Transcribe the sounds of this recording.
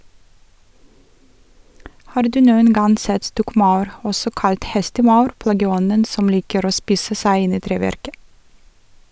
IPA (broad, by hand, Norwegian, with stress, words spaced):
ˈhɑːɾ ˈdʉː ˈnuːən ˈɡɑn ˈsɛt ˈstɔkˌmɑʉɾ ˈɔsɔ ˈkɑlt ˈhɛstəˌmɑʉɾ ˈplɑːɡəˌɔnən ˈsɔm ˈliːkəɾ ˈoː ˈspiːsə ˈsæɪ ˈɪn ˈiː ˈtɾeːˌʋæɾkə